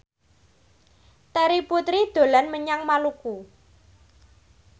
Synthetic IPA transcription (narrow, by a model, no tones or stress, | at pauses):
t̪əɾiput̪ɾid̪̥o̤lanməɲaŋmaluku